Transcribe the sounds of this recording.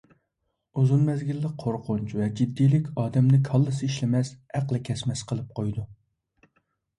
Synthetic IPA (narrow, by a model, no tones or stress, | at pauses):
uzunmɛzɡʲilːɪk̚qʰoɾqʰʊnt͡ʃvɛd͡ʒid̪ːijlɪkʲɑːd̪ɛmnɪkʰɑlˠːɨsɨiʃlɪmɛshæqlˠɨkʲʰɛsmɛsqʰəlˠɨp̚qʰojd̪u